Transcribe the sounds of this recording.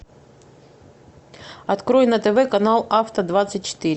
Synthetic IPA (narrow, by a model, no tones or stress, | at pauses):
ɐt̪kɾo̞jɪnːət̪ɛvɛkɐnalˠaft̪əd̪vat̪sɨt̚ʲt͡ɕɪ̥t̪iɾʲ